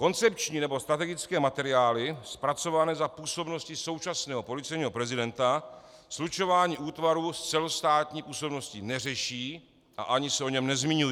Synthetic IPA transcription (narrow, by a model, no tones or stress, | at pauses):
ko̞nt͡sɛp̚t͡ʃɲiːnɛbo̞st̪ɾat̪ɛɡɪt͡skɛːmat̪ɛɾɪaːlɪspɾat͡so̞vanɛzapuːso̞bno̞scɪso̞wt͡ʃasnɛːɦopo̞lɪt͡sɛjɲiːɦo̞pɾɛzɪdɛnt̪a | slut͡ʃo̞vaːɲiːʔuːt̪vaɾuːst͡sɛlo̞st̪aːt̪ɲiːpuːso̞bno̞scɪnɛrɛʃiː | ʔa̰ʔaɲɪsɛʔo̞ɲɛmnɛzmiɲuji